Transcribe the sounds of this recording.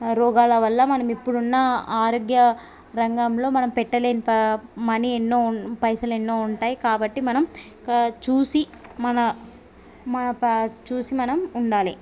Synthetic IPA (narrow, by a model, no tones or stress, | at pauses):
ɾɔːɡaːlɐʋɐlːɐmɐnɐmipːuɽunːɐaːɾoːɡjɐ | ɾɐŋɡaːmlo̞ːmɐnɐmpɛʈːɐle̞ːnipɐmɐnienːo̞ːpɐjsɐlenːoːuɳʈaːjikaːbɐʈːimɐnɐm | t͡ʃuːsi | mɐnɐ | mɐnɐt͡ʃuːsimɐnɐmuɳɖaːli